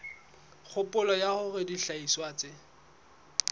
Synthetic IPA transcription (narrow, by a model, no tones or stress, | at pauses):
k͡xʰʊpʼʊlɔjaχʊɣɪdiɬaiswaːt͡sʼɪ